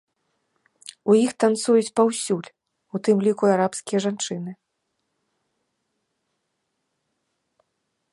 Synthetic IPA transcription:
ujixt̪ant̪sujut͡sʲpawsʲulʲ | ut̪ɨmlʲikuaɾapskʲijɐʐant͡ʂɨnɨ

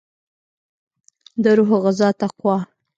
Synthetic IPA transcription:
d̪əɾuɦɣazɑt̪aqwɑ

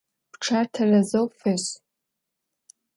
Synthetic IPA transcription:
pʈ͡ʂʰartʰarazowfeɕ

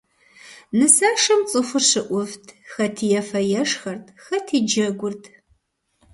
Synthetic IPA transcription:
nɨsaːʂɐmt͡sʼɨfʷʊrʂɨʔʷʊvtʰxɐtʰijɛfɐjɛʂxɐrtʰxɐtʰiːd͡ʒɐɡʷʊrtʰ

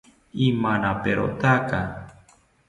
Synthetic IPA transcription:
imanapeɾo̰t̪aka

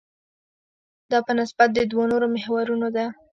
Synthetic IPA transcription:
d̪ɑpənɪsbat̪̚d̪əd̪wonoɾomɪhwaɾunod̪a

